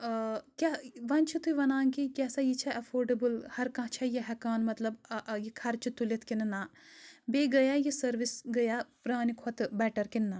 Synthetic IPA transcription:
kʲaʋɐnʲt͡ʃʰit̪ʰuiʋɐnaːŋkikʲɛːsajit͡ʃʰɛʔɐpʰoːɾɖɐbɨlhɐɾkãt͡ʃʰɐjiɦɐkaːnmɐt̪lɐbjikʰɐɾt͡ʃʰit̪ːulit̪ʰkinnabeːɡɐjaːjisɐɾʋisɡɐjaːpɾaːnikʰɔt̪bɛːʈɐɾkinːa

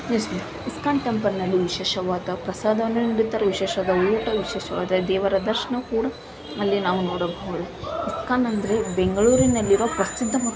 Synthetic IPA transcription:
nesmu | iskaːnt̪empɐɾnɐlːiʋiʃeːʃɐʋaːd̪ɐpɾɐsaːd̪ɐʋɐnːunɐɽit̪aːɾeʋiʃɛːʃɐaːd̪ɐuːʈɐʋiʃɛːʃɐʋa̰ːd̪ɐed̪ɛːʋɐɾɐd̪ɐɾʃɐɳɐkuːɽɐ | ɐlːinaːʋunoːɽɐbʱɐɭeiskaːnɐnd̪ɐɾe̞beŋɡɐɭuːɾinɐlːiɾoːpɾɐsid̪ʱːɐmɐ

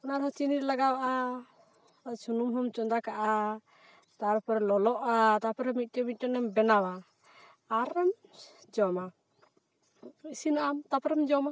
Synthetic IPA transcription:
ɔnaɾɦɔt͡ʃiniɾlaɡawaʔa | at͡ʃʰunumɦɔmt͡ʃɔnd̪akaʔa | t̪aɾpɔɾɛlɔlɔʔat̪apɛɾɔmit̪̚ʈɛmit̪̚ʈɛnɛmbɛnawaː | ɾɛmd͡ʒɔma | isinaʔamt̪apɾɛmd͡ʒɔma

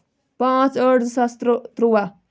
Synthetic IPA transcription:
pãt͡səɽd͡zsast̪ɾət̪ɾuʋa

